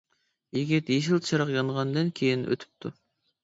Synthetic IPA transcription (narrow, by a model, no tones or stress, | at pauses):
iɡʲɛd̪jeʃ̬ilˠt͡ʃʰɨɾɑqjɑɴʁɑnd̪ɨnkʲʰejinʔø̰t̪ʰy̥p̚t̪ʰu